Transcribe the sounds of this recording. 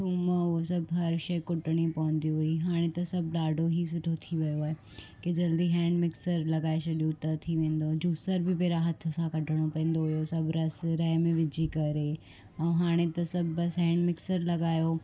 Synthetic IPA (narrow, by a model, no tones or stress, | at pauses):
tuːmosɐbɦɐɾʃɐɪkʊʈəɽ̃ipɐʋʊ̃nd̪iɦʊiɦaːɽ̃ẽt̪ɐsɐbɗaːɖʱoɦis̬ʊʈʰot̪ʰiʋɐjoaːɦe | ked͡ʑɐld̪iɦɛ̃ːɳɖmɪksəɾlɐɡaːesɐɗijot̪ɐt̪ʰiʋẽːn̆d̪oːd͡ʑuːsəɾbɪpeːɾaɦɐt̪ʰə̆sãkɐʈəɽ̃opɐ̃ẽːn̆d̪oɦʊjosɐbʱɾɐsɾɐɦmẽʋɪd͡ʑʱikɐɾe | ɛ̃ːɦaːɽ̃et̪ɐsɐbʱbɐsɦɛ̃ːɳɖmɪksəɾlɐɡaːjo